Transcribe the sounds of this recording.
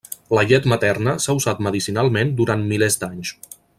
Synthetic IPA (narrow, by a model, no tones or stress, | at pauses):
ləʎɛt̪mət̪ɛrnəsauzat̪məðisinalˠmend̪uɾant̪milɛzd̪aɲs